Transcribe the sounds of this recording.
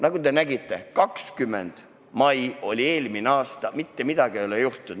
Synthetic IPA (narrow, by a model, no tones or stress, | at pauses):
nɑɡud̪e̞næɡit̪ːˑe̞kɑkskymːḛnd̪̥ | mɑjo̞̰lʲie̞ːlmineɑːst̪ɑmit̪ːe̞mid̪̥ɑɡ̥iejolejuht̪ːu